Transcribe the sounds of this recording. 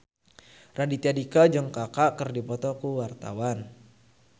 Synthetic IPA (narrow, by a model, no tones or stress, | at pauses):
radit̪iadikad͡ʒɔŋkakaʔkərdipɔt̪ɔkuwart̪a̰wan